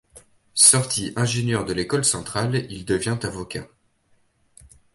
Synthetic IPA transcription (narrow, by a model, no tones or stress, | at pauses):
sɔʁt̪ʰiʔɛ̃ʒenjœʁd̪əlekɔlsɑ̃t̪χalild̪əvjɛ̃t̪avɔkʲa̰